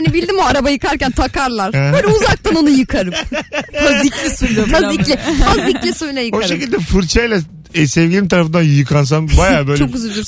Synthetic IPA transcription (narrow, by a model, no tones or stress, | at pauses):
hanibilʲd̪imoaɾabajɯkaɾcænt̪ʰakaɾlˠaɾ̥bøːlʲɛuzak̚t̪ʰano̞nujɯkʰaɾɯpaziclʲɛsuiofaziclʲɛfʰaziclʲɛsojnajɯkoʃʃecilʲd̪ɛfɯɾt͡ʃʰajlʲɛ | sɛvɡʲilʲimt̪ʰaɾafɯnd̪anjɯkʰans̬anbajaːbø̞ːt͡ʃlʲok̚yzylbʲilʲi